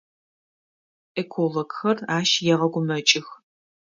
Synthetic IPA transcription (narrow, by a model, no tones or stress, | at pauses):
ʔekʰoloɡxɐraːʃjɛʁɐɡʷʊmɐt͡ʃʼɪx